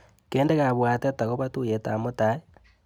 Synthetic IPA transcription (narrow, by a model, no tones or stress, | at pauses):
keːndeɣaβwaːteataɣoβatujeta̰motae